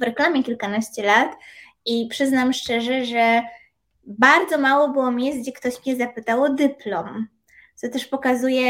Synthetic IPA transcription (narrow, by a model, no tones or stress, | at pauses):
vɾɛklamʲjɛkʲilkanaɕt͡ɕɛlat̪ | ipʂɘznamʂt͡ʂɛʐɛʐɛ | baɾd̪zɔmawɔbɘwɔmʲjɛzɡ̪d͡ʑɛkt̪ɔɕmɲɛzapɘt̪awɔd̪ɘplɔm | t̪sɔt̪ɛʂpɔkazujɛ